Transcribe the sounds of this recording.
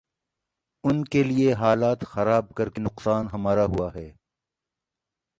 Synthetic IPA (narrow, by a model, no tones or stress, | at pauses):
ʊnkelieɦaːlaːt̪xɐɾaːb̚kɐɾkenʊqsaːnɦɐmaːɾaɦuaɦɛː